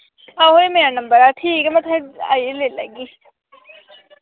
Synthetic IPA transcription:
aːɦoemeːɾanɐ̃mbəɾaʈʰiːkɛmɛ̃t̪ʰãa̰ːieleːləɡiː

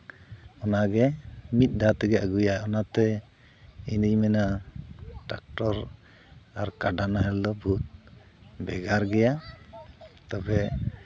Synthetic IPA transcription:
ɔnaɡɛmit̪̚ˀd̪at̪ɛɡɛaɡujaɔnat̪ɛ | inimɛna | ʈak̚ʈɔɾ | aɾkaɖanaɦɛld̪ɔbʱut̪̚ | bɛɡaɾɡɛja | t̪ɔbɛ

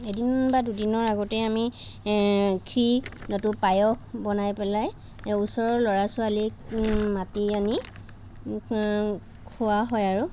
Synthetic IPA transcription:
edinbadudinɔɹaɡɔtɛami | kʰɹinɔtupajɔkbɔnajpɛlaj | usɔɹɔlɔɹasʊalikmatiani | kʰʊwaɦɔjaɹu

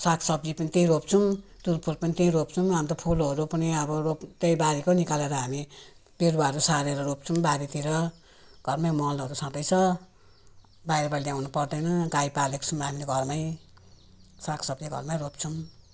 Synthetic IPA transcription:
sakʰsʌbd͡zipʌnit̪ẽĩɾop̚t͡sʰumd̪̥uɾpʰulpʌnit̪ẽĩɾop̚t͡sʰumɦamit̪ʌpʰulɦoɾupʌniʌbʌropt̪ejbaɾikonikaleɾʌɦami | beɾwaɾusaɾeɾʌɾop̚t͡sʰumbaɾit̪iɾʌ | ɡ̥ʱʌrmajmʌlʌɾusãt̪ʌjt͡sʰʌ | bajɾʌbaɽid̪jawnupʌrd̪ʌjnʌɡajpalekt͡sʰumɦamileɡʱʌrmaj | sakʰsʌbd͡ziɡʱʌ̰rmajɾopt͡sʰum

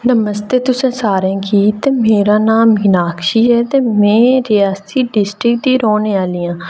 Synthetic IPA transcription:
nəməst̪eːt̪ʊsẽːsaːɾẽːkiːt̪eːmeːɾaːnaːmɦinaːkʰʃiːɦɛːt̪eːmɛ̃ːɾɪjaːsiːɖɪsʈɾɪkd̪iːɾoːneːaːliːãː

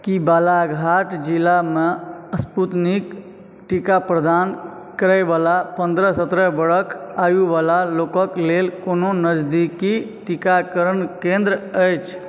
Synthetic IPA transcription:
kibalaɡʱaʈd͡ʒilameəsput̪nik | ʈikapɾəd̪an | kəɾəɪbalapə̃nd̪ɾəsət̪ɾəbəɽəkʰajubalalokəklelkononəd͡ʒd̪iki | ʈikakəɾənkẽnd̪ɾəəjt͡ʃʰ

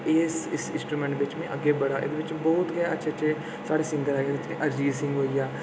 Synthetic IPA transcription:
eːsɪsɪ̃nsʈɾuːmɛ̃ːɳʈʋɪt͡ʃmɛ̃ʔəɡːeːbəɽaːʔḛd̪eːʋɪt͡ʃbɔːt̪ɡɛaətːʃʰeːt͡ʃeː | saːɽeːsɪ̃nd̪əɾɦɛːɡeːd̪ɪt͡ʃḛ̃ʔəɾd͡ʒiːsɪ̃ŋɡɦoːiaː

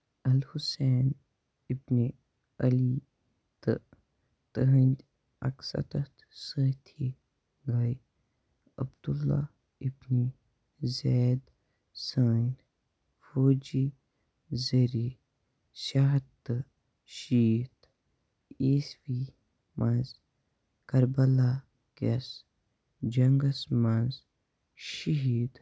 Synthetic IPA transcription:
ɐlhuseːn | ibni | ɐli | t̪ɨ̰ | t̪əɦənd̪ | ɐ̰ksɐ̰t̪ɐt̪səːt̪ʰi | ɡɐj | ɐbd̪ulːa̰ | ibni | zeːd̪ | səːn | foːd͡ʒi | zəɾi | ʃaɦt̪ː | ʃiːt̪ | iːswi | manz | kɐɾbɐla | kɐs | d͡ʒɐŋɡɐsmanz | ʃiɦiːd̪

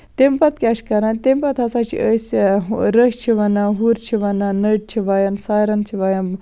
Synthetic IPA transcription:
t̪empɐt̪̚kʲaʃkɐɾant̪empɐt̪ɐsat͡ʃʰḭəsʲɾəʃt͡ʃʰiʋɐnaɦuɾt͡ʃʰiʋɐnanəʈ̚t͡ʃʰiʋajɐnsaːjɾɐnt͡ʃʰiʋajɐn

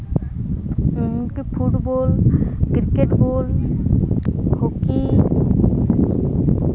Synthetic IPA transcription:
inkepʰuʈbolkɾikeʈbol | hoki

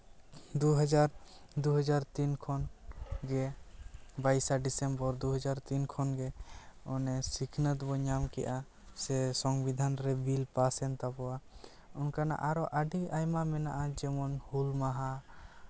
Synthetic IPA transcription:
d̪uɦad͡ʒaɾd̪uɦəd͡ʒaɾt̪inkʰɔnɡɛ | bajsaɖisɛmbɔɾd̪uɦɔd͡ʒaɾt̪inkʰɔnɡɛɔnɛsikʰnət̪bɔɲamkɛ̰jʔa | sɛsɔŋbid̪ʱanɾɛbilpasɛnt̪apɔwa | unkana̰ʔaɾɔʔəɖiʔajmamɛnaʔad͡ʒɛmɔnhulmaɦa

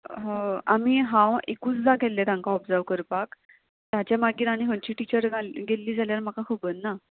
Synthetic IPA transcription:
ɦãamiɦãwekuːt͡sd̪aɡʱɛlːet̪ãŋkaɔpd͡zaʋkəɾpak | t̪jat͡ɕjamaɡiːɾaɽ̃iɦəɳt͡ɕiːʈit͡ɕəɾɡaɡelːiːd͡zʱaljaɾm̤akakʰobəːnːa

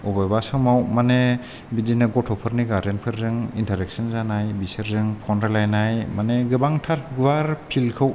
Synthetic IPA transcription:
ubajbasɯwmawmane | bidinɯɡɔtʰɔpʰɯɾniɡaɾdenpʰɯɾzɯŋintʰaɾek̚sɔnzanajbisɯɾzɯŋpʰɔndalajnajmaneɡɯbaŋtʰaɾɡuwaɾpʰilkʰɯw

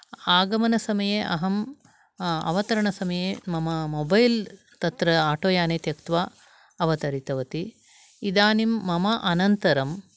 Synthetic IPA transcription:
aːɡɐmɐnɐsɐmɐjeːʔɐɦɐm | ɐ̰ʋɐt̪ɐɾɐɳɐsɐmɐjeːmɐmɐmoːbɐjl | t̪ɐt̪ɾɐaːʈoːjaːneːt̪jɐkt̪ʋaː | ɐʋɐt̪ɐɾit̪ɐʋɐt̪i | id̪aːnimːɐmɐʔɐnɐnt̪ɐɾɐm

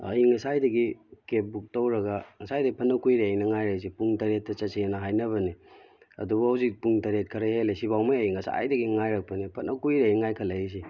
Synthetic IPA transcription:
ɐ̰jiŋɐsajdɐɡikep̚buk̚towɾɐɡɐŋɐsajdɐɡipʰɐnːɐkujɾejnɐŋajɾas̬ipuŋtɐɾet̚ːɐt͡ʃɐsenɐɦajnɐβɐni | ɐ̰dubuɐwzik̚puŋtɐɾet̚kʰɐɾɐhelasibawmajɐjiŋɐsa̰jdɐɡiŋajɾɐk̚pɐnipʰɐnʔɐkujɾeiŋajkʰɐlɐjis̬i

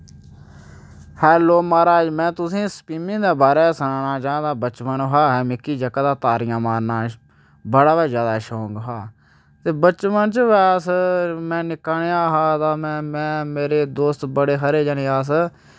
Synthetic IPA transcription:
hɛːloːmaːɾaːd͡ʒmɛ̃ːt̪ʊsĩːspiːmɪ̃ːd̪eːbaːɾeːsənãːnaːt͡ʃãːd̪aːbət͡ʃpənɦaːɦɛːmɪkːiːd͡ʒəkːəd̪aːt̪aːɾɪjãːmaːɾnaː | bəɽaːʋaːzjaːd̪aːʃoːŋɡɦaː | t̪eːbət͡ʃmənt͡ʃəʋɛːsmɛ̃ːnɪkːaːɳːãːɦaːt̪ãːmɛ̃ːmɛ̃ːmeːɾeːd̪oːst̪bəɽeːɦəɾeːd͡ʒaːneːaːs̬

